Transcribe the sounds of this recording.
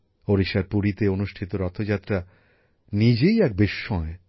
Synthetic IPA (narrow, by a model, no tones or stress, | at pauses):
oɾiʃaɾpuɾit̪eonuʃʈʰit̪oɾɔt̪ʰːod͡ʑat̪ːɾa | nid͡ʑejɛk̚beʃːɔe